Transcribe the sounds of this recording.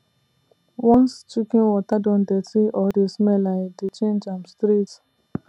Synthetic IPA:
wɔ̃nst͡ʃukĩnwɔtadɔ̃ndɛtiʔɔdesmɛladet͡ʃẽnd͡ʒãmstɾit

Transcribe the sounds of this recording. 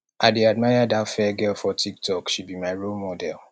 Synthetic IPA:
aɪdeadmaɪjadatfɛɡɛlfɔtʰik̚tʰɔkʃibimaɪɹolmɔdɛl

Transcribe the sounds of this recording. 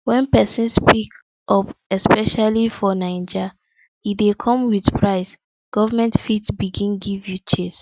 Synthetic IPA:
wɛ̃npɛsĩnspik | ʔɔpɛspɛʃalifɔnãɪ̃nd͡ʒa | idekʰɔ̃mwiðpʰɹaɪs | ɡ̥ɔvamɛ̃ntfitbiɡĩnɡivjut͡ʃes

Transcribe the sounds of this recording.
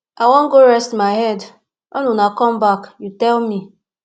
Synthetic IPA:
awɔ̃ŋ̩ɡoɾɛstmaɪɦɛd | ɔnunakɔmbakjutɛlmi

